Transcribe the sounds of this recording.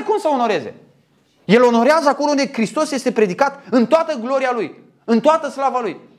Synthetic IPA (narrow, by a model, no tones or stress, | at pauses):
kumsəo̞no̞ɾe̞ze̞̰ | je̞lo̞no̞ɾeazəako̞lound̪e̞kɾist̪o̞sje̞st̪e̞pɾe̞d̪ikat̪ɨnt̪oat̪əɡlo̞ɾialuj | ɨnt̪oat̪əslavaluj